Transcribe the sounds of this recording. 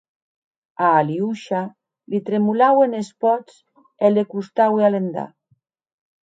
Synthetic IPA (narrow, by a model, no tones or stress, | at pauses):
aːliuʃa | lit̪ɾemulawenespɔt͡s | elekust̪awealend̪a̰